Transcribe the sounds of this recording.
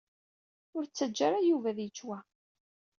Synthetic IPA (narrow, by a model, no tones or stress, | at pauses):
ʊɾt͡sːəd͡ʒːaɾajuvæðjət͡ʃːwæ